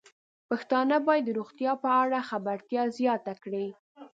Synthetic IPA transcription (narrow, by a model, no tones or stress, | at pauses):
paxt̪ɑnəbɑjɪd̪ːəɾuɣt̪jɑpəaɽaxabaɾt̪jɑzjɑt̪akɽi